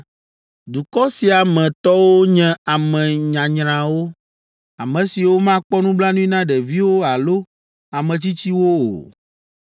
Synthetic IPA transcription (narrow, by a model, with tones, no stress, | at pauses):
d̪u˨kɔ˦si˨a˨mɛ̃˨t̪ɔ˦wo˦ɲɛ̃˦a˨mɛ̃˨ɲã˨ɲɾ̃ã˨wo˦ | a˨mɛ̃˨si˨wo˦mã˦k͡pɔ˦nũ˦bla˦nũ˦ĩ˦nã˦ɖɛ˨vi˦wo˦a˨lo˦ | a˨mɛ̃˨t͡ɕi˦t͡ɕi˦wo˦o̰˨